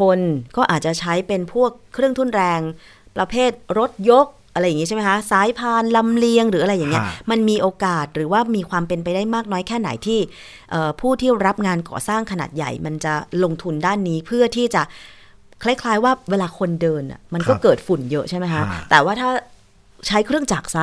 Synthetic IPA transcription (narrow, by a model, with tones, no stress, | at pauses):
kʰo˧nkɔː˥˩ʔaː˨˩t͡ɕa˨˩t͡ɕʰa˦˥jpe˧npʰu˥˩əkʰːɾɯ˥˩əŋt̪ʰu˥˩nɾɛː˧ŋ | pɾa˧pʰeː˥˩t̪̚ɾo˦˥t̪̚jo˦˥k̚ʔa˧ɾa˧jːŋi˦˥a˥˩m˦˥kʰa˦˥saː˦˥jpʰaː˧nla˧mli˧əŋɾɯː˩˦ʔa˧ɾa˧jːaː˨˩ŋːi˦˥ɐma˧nmiː˧ʔoː˧kaː˨˩t̪̚ɾɯː˩˦waː˥˩miː˧kʰwaː˧mpe˧npa˧jdaː˥˩jmaː˥˩k̚nɔː˦˥jkʰɛː˥˩na̰˩˦jt̪ʰiː˥˩ | ʔɤː˨˩pʰuː˥˩t̪ʰiː˥˩ɾa˦˥p̚ŋaː˧nkɔ̰ː˨˩saː˥˩ŋkʰa˧na̰ː˨˩t̪̚ja̰˨˩jma˧nt͡ɕa˨˩lo˧ŋt̪ʰu˧ndaː˥˩nːiː˦˥pʰɯ˥˩ɐt̪ʰiː˥˩t͡ɕa˨˩ʔ | kʰla˥˩jkʰlaː˦˥jwaː˥˩weː˧laː˧kʰo˧ndɤː˧nʔa̰˨˩ma˧nkɔː˥˩kɤː˨˩t̪̚fu˨˩njɤ˦˥ʔt͡ɕʰa˥˩ma˦˥jkʰa˦˥ʔt̪ɛː˨˩waː˥˩t̪ʰaː˥˩ | t͡ɕʰa˦˥jkʰɾɯ˥˩əŋt͡ɕaː˨˩k̚sa˦˥